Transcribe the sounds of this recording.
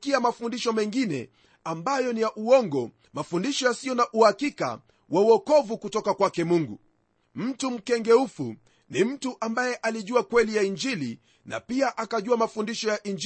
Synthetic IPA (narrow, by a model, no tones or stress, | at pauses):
kiamafundiʃɔmɛŋɡinɛ̰ | ambajɔnijaʔuɔŋɡɔ | mafundiʃɔjasijɔnaʔuhakika̰ | wʔauɔkɔvukutɔkakwakɛmuŋɡṵ | m̩tum̩kɛŋɡɛufṵ | nim̩tuʔambajɛʔaliʄuakwɛlijaind͡ʒilḭ | na̰piaʔakaʄuamafundiʃɔjaʔind͡ʒ